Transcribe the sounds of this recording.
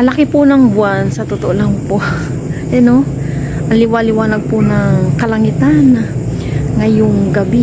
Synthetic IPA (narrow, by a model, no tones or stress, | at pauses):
ɐlɐkɪpʊnɐŋbʊansɐt̪ʊt̪oʔolaŋpo | ʔɐno | ʔɐlɪwalɪwaːnɐɡ̚pʊnɐŋkɐlɐŋit̪ana | ŋɐjoŋɡɐbi